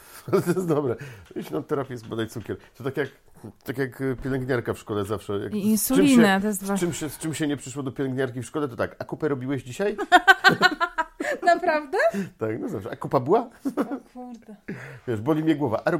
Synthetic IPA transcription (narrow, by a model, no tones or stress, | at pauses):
t̪ɔjɛsd̪ɔbɾɛiɕnat̪ːɛɾapʲjɛsbɔd̪ajt̪sukʲɛɾt̪ɔt̪akʲjak | t̪akʲjakpʲjɛlɛŋɡɲaɾkafʂkɔlɛzafʂɛja̰iinsulʲinɛt̪ɔjɛs̬t̪vat͡ʃɨmɕɛst͡ʂɘmɕɛɲɛpʂɘ̥ʂwɔd̪ɔpʲɛlɛŋɡɲaɾkʲifʂkɔlɛt̪ɔt̪akakupɛɾɔbʲiwɛʑd͡ʑiɕaj | napɾavd̪ɛt̪aknɔzafʂɛʔakupabɘwa | uɾd̪avʲjɛʂbɔlʲimʲjɛɡwɔvaʔaɾɔ